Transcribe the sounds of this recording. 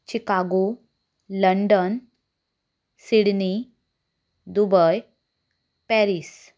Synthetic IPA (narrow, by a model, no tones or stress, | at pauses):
t͡ɕikaɡu | ləɳɖən | siɽni | d̪ubəj | pɛɾis